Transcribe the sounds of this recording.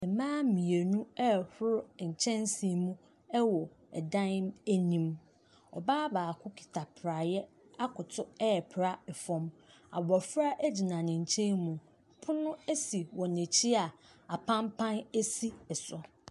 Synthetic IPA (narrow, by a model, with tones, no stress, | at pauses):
ɛ˨mãː˦mĩ˨e˨nũ˦ɛ˦˨hʊ˦ɾʊ˦ɲ̩˨t͡ɕʰɛ̃˦nsi˨mũ˦ | ɛ˦wɔ˨ | ɛ˨dã˦n˦mæ˦nĩ˦m | ɔ̰˨baː˦baː˨kʰʊ˦kʰi̥˨tʰa˨pʰɾa˨jɛ˦ | a˦kʰʊ˨tʰʊ˦ɛ˦ɛ˨pʰɾa˦ɛ˨fɔ̃˦ma̰˨wɔ˨fɾa˦ʔæ˦d͡ʑi˨nã˨nɪ̃˨ɲ̩˨t͡ɕʰɛ̃˦nmũ˨ | pʰʊ˦nʊ̃˦æ˦si˨wɔ˨ne˨t͡ɕʰi˦a˨ | a˨pʰã˦mpʰã˦næ˦si˦ɛ˨sʊ˨